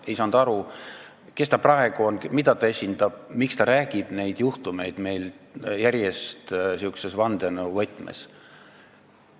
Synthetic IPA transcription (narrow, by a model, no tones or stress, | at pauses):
e̞jsɑːnd̪̥ɑɾu | ke̞st̪ɑprɑe̞ɡ̥uonmid̪ɑt̪ɑe̞sʲind̪̥ɑb̥̚mikst̪ɑɾæːɡ̥ib̥ne̞jd̪̥juht̪ume̞jd̪̥me̞jljæɾjest̪syksesvɑnd̪̥enovɤt̪ːˑmḛs